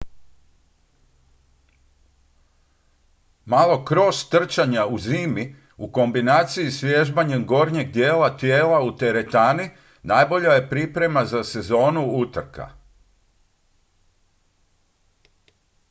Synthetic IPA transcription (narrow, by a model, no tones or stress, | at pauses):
malˠo̞kɾo̞st̪r̩t͡ʃaɲauziːmi | uko̞mbinaːt̪siisʋjeʒbaɲemɡo̞ɾɲeɡ̚d̪jeːlat̪je̞ːlaut̪e̞ɾe̞t̪aːni | naːjbo̞ʎaje̞pɾipɾe̞mazase̞zo̞ːnuut̪r̩ka̰